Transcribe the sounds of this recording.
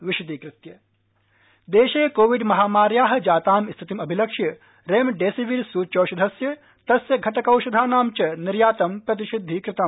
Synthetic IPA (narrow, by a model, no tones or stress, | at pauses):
ʋiʃut̪ikɾɪt̪jɐ | d̪eːʃeːkoːʋiɖmɐɦaːmaːɾjaːɦɐ̆d͡ʒaːt̪aːmist̪ʰit̪imɐbʱilɐkʂjɐ | ɾeːmɖeːsiʋiɾsuːt͡ʃoːʃɐd̪ʱɐsjɐ | t̪ɐsjɐɡʱɐt̪ɐkɐwʃɐd̪ʱaːnaːmt͡ʃɐniɾjaːt̪ɐmpɾɐt̪̬iʃid̪ʱːikɾɪt̪ɐm